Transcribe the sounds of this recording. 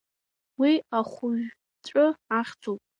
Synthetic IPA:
wiaχʷʊɥ | t͡ʃʷʼʊaχʲd͡zʰʼowpʼ

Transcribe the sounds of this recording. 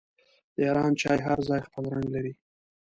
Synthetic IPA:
d̪̥əjɑɾɑnt͡ʃɑjɦaɾzɑjxpəlɾaŋɡlaɾi

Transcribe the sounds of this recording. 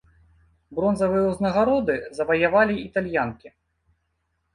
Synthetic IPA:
bɾɔnzɐvɨjɛwznɐɣaɾɔd̪ɨzɐvɐjavalʲiit̪alʲjankʲi

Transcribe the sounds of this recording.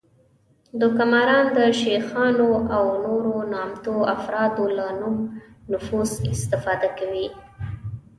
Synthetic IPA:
d̪əkamaɾɑnd̪əʃexɑnoʔawnoɾonɑmt̪oafɾɑd̪olanumnʊfuzɪst̪ɪfɑd̪akawi

